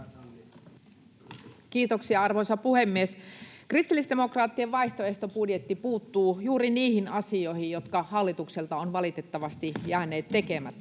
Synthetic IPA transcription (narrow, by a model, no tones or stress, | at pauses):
kiːt̪oksiɑɑrʋoisɑpuhemːieskrist̪ilːisde̞mo̞krɑːt̪ːieʋɑiht̪oe̞ht̪opudjet̪ːipuːt̪ːuːjuːɾiniːhinɑsio̞ihijjo̞t̪kɑhɑlːit̪ukselt̪ɑonʋɑlit̪e̞t̪ːɑʋɑst̪ijæːne̞ːt̪ːe̞kemæt̪ː